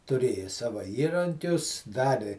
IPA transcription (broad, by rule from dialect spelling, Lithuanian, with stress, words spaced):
tʊˈrʲeːjoː ˈsɑːʋɐ ˈiːrɐŋʲkʲʊs ˈdɑːrʲɪ